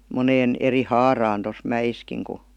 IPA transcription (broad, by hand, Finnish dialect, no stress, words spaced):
moneːn eri hɑːrɑːn tos mæj̆iskiŋ ku